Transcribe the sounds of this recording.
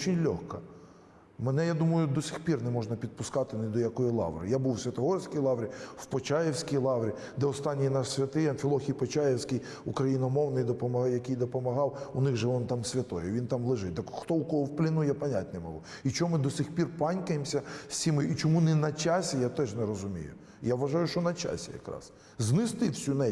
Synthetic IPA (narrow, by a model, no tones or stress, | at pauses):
ɔt͡ʃɪnʲlʲɔ̰xkɐ | mɛnɛjad̪umɐjʊd̪ɔsʲixpʲirnɛmɔʒnɐpʲid̪̚pʊskɑt̪ɪnɪd̪ɔjɐkɔjilˠɑ̰ʋrɪ̰jabuwsʲʋʲɐt̪ɔɦɔrsʲkʲijlˠɑʋɾʲiwpɔt͡ʃɑjewsʲkʲijlˠɑwɾʲi | d̪ɛɔst̪ɑnʲːijnɑʃsʲʋʲɐt̪ɪjɐnfʲilˠɔxʲijpɔt͡ʃɑjewsʲkɪj | ʊkɾɐjinɔmɔwnɪjd̪ɔpɔmɐjɐkʲɪjd̪ɔpɔmɐɦɑwʊnɪxʒɛʋɔnt̪ɑmsʲʋʲɐt̪ɔjɛʋʲint̪ɑmlˠɪʒɪd̪ɛkxt̪ɔukɔɦɔwplʲˠɪnʊjapɐnʲatʲnɛmɐ̰lˠɔ | it͡ʃɔɔmɪd̪ɔsʲɪxpʲirpɑnʲkɐjɪmsʲɐsʲsʲimɪjit͡ʃɔmunɛnɐt͡ʃasʲɛjat̪ɛʒnɛɾɔzʊmʲḭjʊ̰ | jaʋʋːɐʒɑjʊʃt͡ʃɔnɐt͡ʃa̰sʲḭjɐ̰kɾɑ̰s | znɪst̪ɪwsʲunɛ